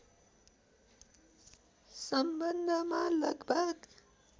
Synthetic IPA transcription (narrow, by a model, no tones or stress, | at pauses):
sʌmbʌnd̪ʱmalʌɡbʱʌɡ